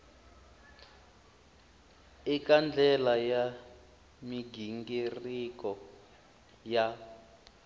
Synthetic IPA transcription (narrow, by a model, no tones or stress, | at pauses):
ikand͡ɮʱɛlaja | miɡʱiŋɡirikɔ | ja